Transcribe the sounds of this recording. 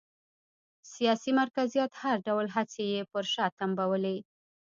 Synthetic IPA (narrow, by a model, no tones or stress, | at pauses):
sijɑsimaɾkazijat̪haɾɖawlɦat͡sejepəɾʃɑt̪ambawəle